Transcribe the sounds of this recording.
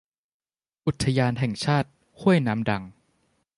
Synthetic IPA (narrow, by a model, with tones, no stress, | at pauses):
ʔu˨˩t̪ʰːa˧jaː˧nɦɛ˨˩ŋt͡ɕʰaː˥˩t̪̚ | hʰu˥˩əjnaː˦˥mda˧ŋ